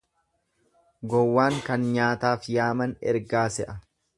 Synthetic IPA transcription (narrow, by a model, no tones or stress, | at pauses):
ɡɔwːaːŋkɐnɲaːt̪aːfjaːmɐnɛ̰ɾɡaːsɛʔɐ